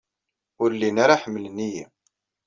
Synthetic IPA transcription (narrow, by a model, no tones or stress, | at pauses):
ʊɾlinaɾaħəmːələniji